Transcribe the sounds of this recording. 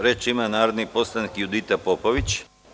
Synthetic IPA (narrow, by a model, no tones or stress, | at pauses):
ɾet͡ʃimanaːɾod̪nipo̞slˠanikjud̪it̪apopoʋit͡ɕ